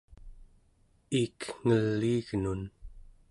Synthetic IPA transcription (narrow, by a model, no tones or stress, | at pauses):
iːkŋ̥əlːiːɣnun